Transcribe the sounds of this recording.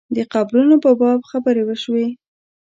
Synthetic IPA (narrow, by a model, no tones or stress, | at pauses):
d̪əqablunopəbɑb̚xabəɾewəʃwe